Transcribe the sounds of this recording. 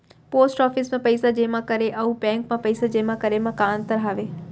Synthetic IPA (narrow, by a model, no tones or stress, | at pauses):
poːsʈɔːfɪsmãpəjsad͡ʒemãkəɾeʔəũbɛ̃ŋkmãpəɪsad͡ʒemãkəɾemãkãnt̪əɾɦaːʋe